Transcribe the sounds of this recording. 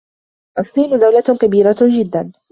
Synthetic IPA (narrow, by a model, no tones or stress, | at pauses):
ʔɑsˤiːnʊd̪awlakabiːɾad͡ʒɪd̪ːan